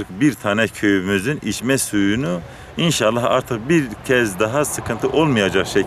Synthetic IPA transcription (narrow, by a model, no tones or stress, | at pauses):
kbiɾt̪ʰaːnɛcʰø̞jymyzynit͡ʃmɛsujunu | inʃalˠːaha̰ɾt̪ʰɯq̚biɾcʰɛzd̪aɦasɯkʰɯnt̪ʰɯʔo̞lˠmɯjad͡ʒakʃɛ